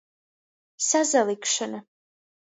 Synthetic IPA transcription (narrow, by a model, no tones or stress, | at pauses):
sazalˠikʃanɐ